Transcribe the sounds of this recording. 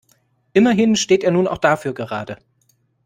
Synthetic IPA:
ʔɪmɐɦɪnʃteːtʔeːɐnuːna̰ʊxd̥afyːɐɡəʁaːdə

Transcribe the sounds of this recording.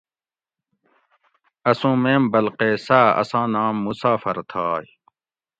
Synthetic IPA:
ɐsũːmeːmbɐlqeːsaːɐ̰sãːnaːmːusaːfɐɾt̪ʰaːj

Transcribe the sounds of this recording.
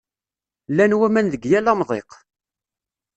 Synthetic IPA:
lːænwæmænðəɡjælɑmðˤḛq

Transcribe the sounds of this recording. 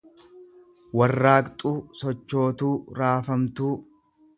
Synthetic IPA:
wɐrːaːkt̪ʼuːsɔt͡ʃːo̞ːt̪uːɾaːfɐmt̪uː

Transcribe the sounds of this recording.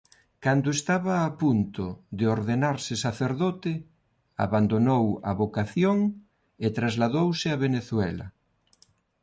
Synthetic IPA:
kand̪ʊest̪aβɐːpunt̪ʊðeoɾðenaɾsɪsaθeɾðot̪ɪ | a̰βand̪onowɐ̰βokaθjoŋ | et̪ɾazlaðowsɪaβeneθwɛlɐ̰

